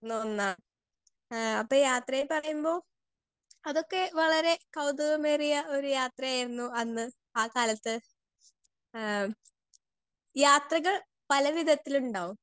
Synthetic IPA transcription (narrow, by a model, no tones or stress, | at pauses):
noːnːaː | ɐpːoːjaːt̪rɐjepɐrɐjumbo̞ː | ɐðo̞kːe̞ʋɐɭɐɾe̞kɐwd̪ɐʋɐmeːrijɐʔo̞ɾujaːt̪rɐjaːjiɾunːuɐnːɨ | aːkaːlɐt̪ːɨ | jaːt̪rɐɣɐɭ | pɐlɐʋid̪ʱɐt̪ːiluɳɖaːʋum